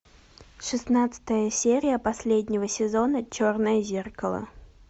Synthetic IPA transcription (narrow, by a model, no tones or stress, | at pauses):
ʂɨsnat̪sɨ̥t̪əjəsʲeɾʲɪjəpɐsʲlʲedʲnʲɪvəsʲɪzo̞nət͡ɕornəjəzʲerkəlˠə̰